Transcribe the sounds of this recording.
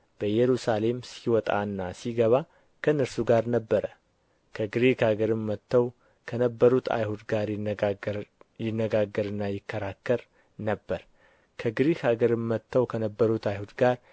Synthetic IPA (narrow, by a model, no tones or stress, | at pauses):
b̥əjɛɾusale̞msiwɔt̪ʼa̰ɨnːasiɡəβa | kʰənːəɾsuɡaɾnəbːəɾə | kʰəɡɾekaɡəɾɨmːət̪ʰːəw | kʰənəbːəɾut̪ʰa̰jhud̪ɡaɾ | jɪnːəɡaɡːəɾɨnːajɪkːəɾakːəɾ | nəbːəɾ | kʰəɡɾekaɡəɾɨmːət̪ʰːəwkʰənəbːəɾut̪ajhud̪ɡaɾ